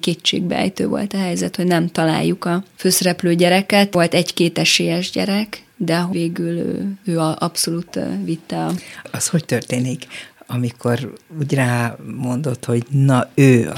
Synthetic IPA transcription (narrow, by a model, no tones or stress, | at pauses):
keːt͡ʃːḛːɡ̚bɛ̰ɛ̰jt̪ø̰ːvo̞̰lt̪ɒɦɛjzɛt̪hoɟnɛmt̪ɒla̰ːjːukɒføːsɛɾɛpløːɟɛɾɛkɛt̪o̞lt̪ɛɟkeːt̪ɛʃeːjɛʒɟɛ̰ɾɛk | d̪ɛɦveːɡylø̰ːøːɒʔɒpso̞luːt̪vit̪ːɛɒɒsho̞ct̪ørt̪eːnikɒmikʰo̞ruːɟraːmo̞nd̪o̞t̪ho̞ɟnɒøː